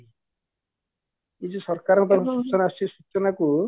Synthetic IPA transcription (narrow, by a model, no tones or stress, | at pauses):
id͡ʒusɔɾkaɾɔŋkut̪ɔɾʰsut͡ʃɔnasisut͡ʃɔnaku